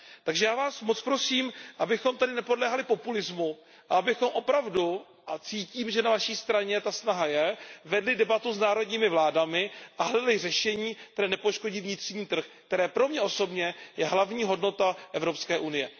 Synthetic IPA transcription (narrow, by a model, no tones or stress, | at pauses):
t̪aɡʒɛjaːvaːsmot͡spɾo̞siːmʔabɪxo̞mt̪adɪnɛpo̞dlɛːɦalɪpo̞pulɪzmu | ʔa̰abɪxo̞mʔopɾavdu | ʔat͡siːciːmʒɛnavaʃiːst̪ɾaɲɛt̪asnaɦajɛvɛdlɪdɛbat̪uznaːɾo̞dɲiːmɪvlaːdamɪʔaɦlɛdlɪr̝ɛʃɛɲiːkt̪ɛɾɛːnɛpo̞ʃko̞ɟiːvɲɪt̪r̥ɲiːt̪r̩xkt̪ɛɾɛːpɾo̞mɲɛʔo̞so̞bɲɛjɛɦlavɲiːɦo̞dno̞t̪aʔɛvɾo̞pskɛːʔunɪjɛ